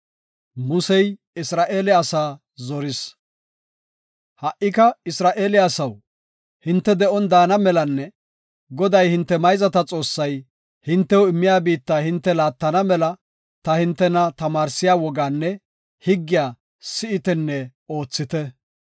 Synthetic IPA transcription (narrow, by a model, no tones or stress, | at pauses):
mʊsɛj | ɪsɾaːʔe̞ːlɪɐsaː | zɔɾɪs | hɐʔːɪkɐɪsɾaːʔe̞ːlɪɐsɐw | hɪnt̪ːɛd̪ɛʔɔnd̪aːnɐmɛlɐnːɛ | ɡɔd̪ɐjhɪnt̪ːɛmɐjzɐt̪ɐt͡sʼo̞ːsːɐj | hɪnt̪ːɛwɪmːɪjaːbiːt̪ːaːhɪnt̪ːɛlaːt̪ːɐnɐmɛlɐ | t̪ɐhɪnt̪ːɛnɐt̪ɐmaːɾsɪjaːwɔɡaːnːɛ | hɪɡːɪjaː | sɪɪt̪ɛnːɛo̞ːt͡sːɪt̪ɛ